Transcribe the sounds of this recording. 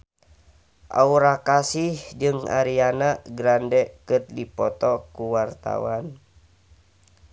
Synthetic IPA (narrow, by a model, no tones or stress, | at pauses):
ʔa̰uɾakasihd͡ʒɨŋa̰ɾianaɡɾandɛkɨt̪̚dipɔt̪ɔkuwart̪a̰wan